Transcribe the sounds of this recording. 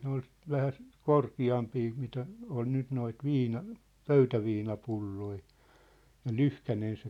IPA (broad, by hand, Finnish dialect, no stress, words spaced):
ne ol ʋæhæst korkiɑmpiː mitæ on nyt noit ʋiːnɑ pøytæʋiːnɑpulːoi jɑ lyhkænen se